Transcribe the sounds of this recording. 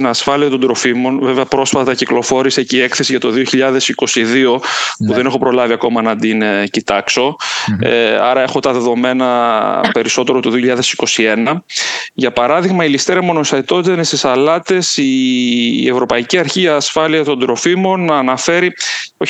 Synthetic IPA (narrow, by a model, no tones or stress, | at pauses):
nɐsfɐliɐt̪o̞nd̪ɾo̞fimo̞nveveɐpɾo̞sfɐt̪ɐciklo̞fo̞ɾisecːe̞kθe̞siʝɐt̪o̞ðio̞çiʎɐðe̞siko̞siðio̞puðenexo̞pɾo̞lɐviɐko̞mɐnɐd̪incit̪ɐkso̞̰ | ɐɾɐe̞xo̞t̪ɐðe̞ðo̞me̞nɐpe̞ɾiso̞t̪e̞ɾo̞t̪oðioçiʎːɐðe̞si̥ko̞sie̞nɐʝɐpɐɾɐðiɣmɐilist̪eɾɐmo̞noset̪o̞t̪it̪ɐnest̪isɐlɐt̪e̞si | ḛvɾo̞pɐiciɐɾçiɐsfɐliɐt̪o̞nd̪ɾo̞fimo̞nːɐːnɐfe̞ɾio